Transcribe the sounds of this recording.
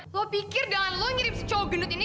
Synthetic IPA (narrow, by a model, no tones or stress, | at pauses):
lɔpikɪrdanlɔŋiɾip̚st͡ʃoɡənut̪ini